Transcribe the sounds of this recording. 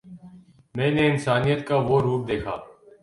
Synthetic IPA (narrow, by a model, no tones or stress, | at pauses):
mɛ̃ːneːɪnsaːnijət̪̚kaʋoːɾuːp̚d̪eːkʰa̰ː